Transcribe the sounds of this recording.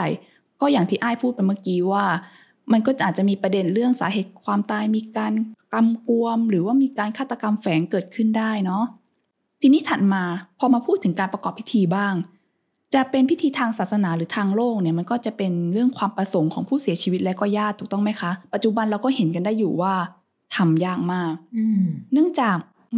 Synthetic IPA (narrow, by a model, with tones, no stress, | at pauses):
j | kɔː˥˩jaː˨˩ŋt̪ʰiː˥˩ʔaː˥˩jpʰuː˥˩t̪̚pa˧jmaː˥˩kiː˧waː˥˩ | ma˧nkɔː˥˩ʔaː˨˩t͡ɕa˨˩miː˧pɾa˧de˧nɾɯ˥˩əŋsa̰ː˩˦ɦeː˨˩t̪̚kʰwaː˧mt̪aː˧jmiː˧kaː˧nka˧mku˧əmɾɯː˩˦waː˥˩miː˧kaː˧nkʰaː˥˩t̪ːa˧ka˧mfɛː˩˦ŋkɤː˨˩t̪̚kʰɯ˥˩ndaː˥˩jnɔ˦˥ʔ | t̪ʰiː˧niː˦˥˩t̪ʰa˨˩t̪̚maː˧pʰɔː˧maː˧pʰuː˥˩t̪ʰːɯ˩˦ŋkaː˧npɾa˧kɔː˨˩pʰːi˦˥t̪ʰiː˧baː˥˩ŋ | t͡ɕa˨˩pe˧npʰi˦˥t̪ʰiː˧t̪ʰaː˧ŋsaː˨˩t̪̚sa˧naː˩˦ɾɯː˩˦t̪ʰaː˧ŋloː˥˩k̚ni˥˩ɐma˧nkɔː˥˩t͡ɕa˨˩pe˧nɾɯ˥˩əŋkʰwaː˧mpɾa˧so˩˦ŋkʰɔː˩˦ŋpʰuː˥˩si˨˩˦t͡ɕʰiː˧wi˦t̪̚lɛ˦˥wkɔː˥˩jaː˥˩t̪ʰːu˨˩t̪ɔ˥˩ŋma˦˥jkʰa˦˥pa˨˩t̪̚t͡ɕu˨˩ba˧nɾa˧wkɔː˥˩he˩˦nka˧ndaː˥˩jːuː˨˩waː˥˩ | t̪ʰa˧mjaː˥˩ŋ̚maː˥˩k̚nɯ˥˩əŋt͡ɕaː˨˩k̚